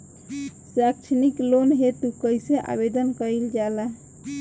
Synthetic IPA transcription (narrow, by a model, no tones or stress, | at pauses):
sakt͡ʃʰniklonɦet̪ukəjseʔa̰bed̪ənkəild͡ʒalaɦ